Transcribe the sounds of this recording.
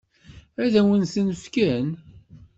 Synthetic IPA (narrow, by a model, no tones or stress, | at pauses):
æðæwənθənəfkæn